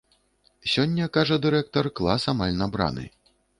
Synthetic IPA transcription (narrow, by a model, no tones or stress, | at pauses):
sʲɔnʲːɐkaʐɐd̪ɨɾɛk̚t̪ɐrklˠasamalʲnabɾa̰nɨ̰